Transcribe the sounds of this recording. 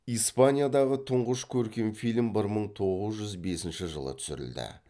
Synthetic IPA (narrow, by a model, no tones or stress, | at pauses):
ijspanʲijad̪ɑʁət̪ʰʊɴʁəʃkʲʰɵɾkʲe̞nfilʲmbɪɾməɴt̪ʰo̞ʁəzʒʏzbe̞sɪnʃɪʒə̰lˠə̰t̪ʰʏ̥sɪ̰ɾɪ̰ld̪ɪ̰